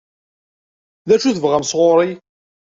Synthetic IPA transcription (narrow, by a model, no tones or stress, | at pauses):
ðæʃuθəvʁamsʁoɾˤi